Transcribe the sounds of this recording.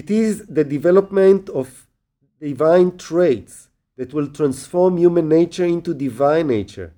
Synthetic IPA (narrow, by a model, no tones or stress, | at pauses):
itizðədivɛlɔpmɛ̃ntɔv | divãj̃ntʰɹeɪts | ðɛtwilt̪ɹãnsfɔɹmjumə̃nːeɪt͡ʃə˞ĩntudivãj̃nːeɪt͡ʃə̰˞